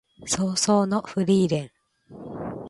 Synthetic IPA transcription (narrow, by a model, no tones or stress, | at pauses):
soːsoːnoɸɯ̟ɾʲiːɾẽ̞ŋ